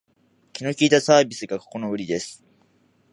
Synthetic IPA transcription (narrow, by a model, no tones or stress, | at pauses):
kʲino̞kʲiːt̪asaːbʲisɨɡako̥ko̞no̞ɯ̟ɾʲid̪e̞sɨ̥